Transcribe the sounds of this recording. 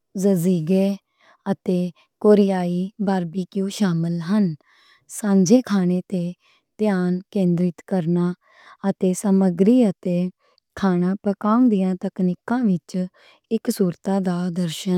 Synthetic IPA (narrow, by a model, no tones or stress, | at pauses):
zəziːɡeː | ət̪eː | koːɾɪjaːiːbaːɾbiːkjũːʃaːməlɦən | sãːɲd͡ʒeːkʰaːñeːt̪eː | t̪jaːnkẽːnd̪ɾɪt̪kəɾnaː | ət̪eːsəməɡɾiːət̪eː | kʰaːnãːpəkaːũnd̪ɪjãːt̪əkniːkãːʋɪt͡ʃ | ɪksuːɾt̪aːd̪aːd̪əɾʃən